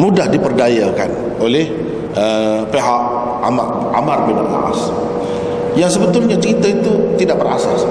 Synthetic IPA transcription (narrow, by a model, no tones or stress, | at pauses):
mudahdipərdajaka̰n | olɛh | əpeɦaʔ̚ | a̰ma̰ | ʔa̰marbɪna̰ʔla̰ʔa̰s | jaŋsəbət̪ʊlɲat͡ʃəɾit̪ait̪ut̪idaʔbəra̰sas